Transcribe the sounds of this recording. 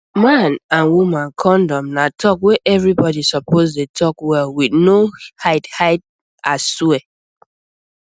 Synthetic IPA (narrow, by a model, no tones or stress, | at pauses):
mãnãnwumãnkʰɔ̃ndɔ̃mnatʰɔkweʔɛvɹibɔdisɔpozdetʰɔkwɛlwidnohaɪthaɪt̚ | asswɛ